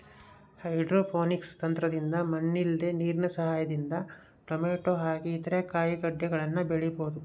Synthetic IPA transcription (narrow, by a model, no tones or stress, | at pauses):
hɐjɖɾoːpʰoːnikst̪ɐnt̪ɾɐd̪ind̪ɐmɐnːild̪eniːɾɳɐsɐɦaːjɐd̪ind̪ɐ | ʈɐmeːʈoːɦaːɡiːt̪ɐɾekaːjiɡɐɖjɐɡɐɭɐnːɐbeɭiboːd̪u